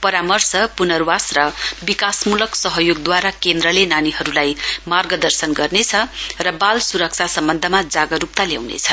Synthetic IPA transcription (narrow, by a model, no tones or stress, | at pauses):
pʌɾamʌrsʌpunʌrwasrʌbikasmulʌksʌɦʌjoɡ̚d̪waɾakend̪ɾʌlenaniɦʌɾulajmarɡʌd̪ʌrsʌnɡʌrnet͡sʰʌrʌbalsuɾʌk̚t͡sʰasʌmbʌnd̪ʱʌmad͡zaɡʌɾup̚t̪alja̰wnḛt͡sʰʌ